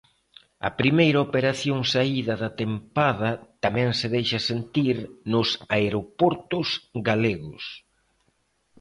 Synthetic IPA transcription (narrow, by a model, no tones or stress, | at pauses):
ɐ̰pɾimejɾɐopeɾaθjoŋsaiðɐðɐt̪empað̞ɐt̪amɛ̃ŋseðejʃɐsent̪iɾnʊsaeɾopɔɾt̪ʊsɡaleɣʊ̰s